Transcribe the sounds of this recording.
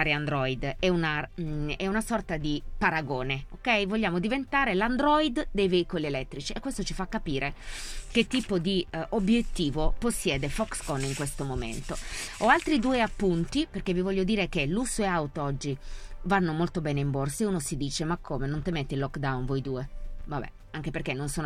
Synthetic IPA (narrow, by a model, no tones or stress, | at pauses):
aːɾeand̪ɾɔjd̪ɛunaɛunasɔrt̪ad̪ipaɾaɡoːneokɛjvoʎːaːmod̪ivent̪aːɾeland̪ɾɔjd̪d̪ejveiːkolielɛt̪ːɾit͡ʃiekːwest̪ot͡ʃifakːapiːɾʔek̟et̪ːiːpod̪iobjet̪ːiːvoposːjɛːd̪efɔkskɔnːiŋkwest̪omomḛnt̪ooalt̪ɾid̪uːeapːunt̪iperkevːivɔʎːod̪iːɾek̟elusːoeawt̪oɔd͡ʒːivanːomolt̪obɛːneimborseuːnosid̪iːt͡ʃemakʰːoːmenont̪emeːt̪elɔkːd̪awnvojd̪uːevabɛ̰ | aŋkeperk̟enːonsoːn